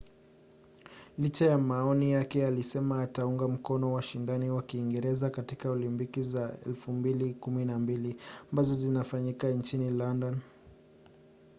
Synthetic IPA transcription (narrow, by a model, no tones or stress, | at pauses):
lit͡ʃajamaɔnijakɛalisɛmaːtauŋɡam̩kɔnɔwaʃindaniwakiːŋɡɛɾɛzakatikaɔlimbikizaɛ̰lfumbilikuminambiliambazɔzinafaɲikant͡ʃinilandan